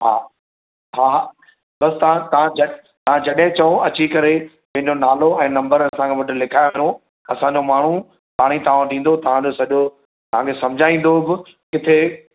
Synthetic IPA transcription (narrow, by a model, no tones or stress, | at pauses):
ɦaː | ɦaː | ɓɐsɪt̪ɐãt̪ɐãd͡ʑɐ | t̪ɐãd͡ʑɐɗɦɪ̃t͡ɕɐõɐt͡ɕikɐɾe | mɪ̃ɦɪ̃ɲd͡ʑonaːloɛ̃ːnɐ̃mbəɾɐɐsãŋkʰãʋɐʈɪlɪkʰaːjoo | ɐsãːɲd͡ʑomaːɳ̤u | p̪aːɽ̃it̪ɐʋ̤ãɗĩːn̆d̪ot̪ɐʋ̤ãd͡ʑosɐʄo | t̪ɐʋ̤ãŋkʰesɐ̃md͡ʑʱaːĩːn̆d̪obɪ | kɪt̪ʰe